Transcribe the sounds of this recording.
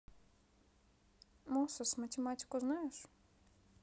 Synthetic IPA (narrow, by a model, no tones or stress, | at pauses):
mɔsɐsʲmɐtʲemɑtʲi̥kʊznajeʃ